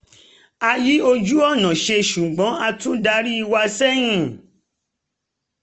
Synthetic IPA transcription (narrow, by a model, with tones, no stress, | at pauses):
a˧ji˦o˧d͡ʒu˦ɔ˦˨nã˨ʃe˧ʃu˨ɡ͡bɔ̃˨˦a˧tũ˦da˧ɾi˦i˧wa˧sɛ˦j̃ĩ˦